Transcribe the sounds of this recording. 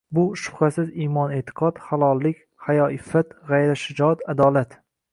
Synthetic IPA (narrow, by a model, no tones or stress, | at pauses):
bʊʃʊ̥χasɪzimɒnet̪ʰɪ̥qʰɒt̪χalˠɒlˠːɪkʲ | hajɒʔɪfːat̪ʁajɾaʃɪd͡ʒɒt̪ad̪ɒːlat̪